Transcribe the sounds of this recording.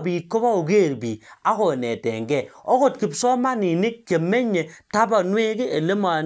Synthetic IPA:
bi˨ko˦ba˦o˨ɡe˦˨ɾbi˨a˦ko˨nɛ˨tɛ̰˨ŋɡɛ˦˨o˦ko˨t̚ki˨psɔ˦ma˦nɪ˨nɪ˦k̚ke˨mːe˦ɲe˨ta˦ba˨nwe˦kɪ˦ʔe˨le˦ma˨

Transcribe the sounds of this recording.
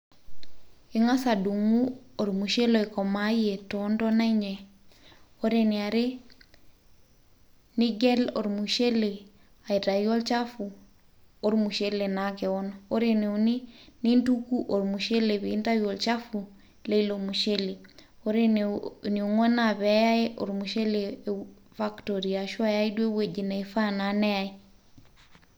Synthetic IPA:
i˦ŋa˦sa˨du˨ŋu˦o˨ɾmu˨ʃe˦lo˨i˨ko˨ma˦je˨to˦ndo˦na˦i˦ɲe˨ | o˦ɾe˨ni˨a˨ɾe˦ | ni˦ɡe˦lo˨ɾmu˨ʃe˦le˨ | a˨i˨ta˨jo˦lt͡ʃa˦fu˨ | o˦ɾmu˨ʃe˦le˨nake˨wo˦no˦ɾe˦ne˨uni˦ni˦ndu˦ku˦ʔo˨ɾmu˨ʃe˦le˨βiː˨˦nta˦jo˨lt͡ʃa˦fu˨ | le˦i˦lo˨mu˨ʃe˦le˨o˦ɾe˦nni˨u˨ŋɔ˦na˦˨βɛ˨˦ja˦e˦ʔo˨ɾmu˨ʃe˦le˨ | fa˦kto˨ɾi˨a˨ʃwa˦˨ja˦i˦dwe˦we˨d͡ʒi˨na˨efa˦na˨˦nɛ˦ja˦i˦

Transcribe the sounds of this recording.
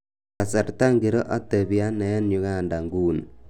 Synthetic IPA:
ka˨sa˨ɾta˦ŋɡi˨ɾo˦ʔa˦te˨bja˦nɛ˨ɛ˦nɲu˨ka˦˨nda˨ŋɡuː˦˨n

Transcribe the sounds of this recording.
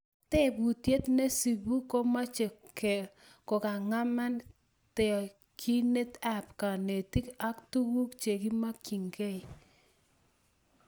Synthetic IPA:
te˦˨bu˨tje˦t̪ne˦si˨bu˦ko˦ma˦t͡ʃe˨ke˨ | ko˨ka˨ŋa˦ma˦n | tɛ˨ | kʰi˦ne˦t̪a˦pka˨ne˨ti˦ka˦ktu˦wu˦kt͡ʃe˨ɡi˦ma˦ki˨ŋɡe˦i˨

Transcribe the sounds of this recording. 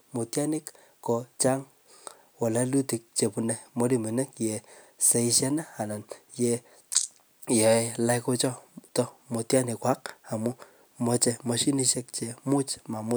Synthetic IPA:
mu˨tja˦nɪ˦k | ko˨t͡ʃa˦ŋ | wɔ˨la˦lu˦ti˨k̚t͡ʃe˨pu˨nɛ˨mo˦ɾi˦mi˨nɛ˦kje˨ | se˦i˦ʃɛ˦naː˦˨na˨nje | jɛ˨e˦la˦jko˦t͡ʃɔ˦tɔ˦mo˨tja˦nɪ˨kwa˦k̚a˨mʊ˦ | mɔ˦t͡ʃe˧mɔ˧ʃi˦ni˦ʃɛ˦k̚t͡ʃe˨mʊ˦t͡ʃma˨mʊ˦

